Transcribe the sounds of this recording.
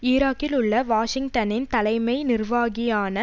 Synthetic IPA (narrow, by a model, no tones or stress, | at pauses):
iːɾaːkːɪlʊɭːɐʋaːʂɪŋɡt̪ɐnɪnt̪ɐlɐɪmɐɪnɪrʋaːɣɪjaːnɐ